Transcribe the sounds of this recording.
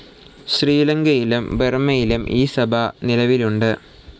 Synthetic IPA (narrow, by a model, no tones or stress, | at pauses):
ɕriːlɐŋɡɐjilumbermɐjilumʔiːsɐbʱɐnilɐʋiluɳɖɨ